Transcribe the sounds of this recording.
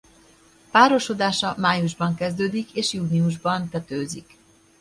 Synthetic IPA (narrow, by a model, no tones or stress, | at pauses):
paːɾo̞ʃo̞d̪aːʃɒmaːjuʒbɒŋkɛzd̪øːd̪ikeːʃjuːniuʒbɒnt̪ɛt̪øːzik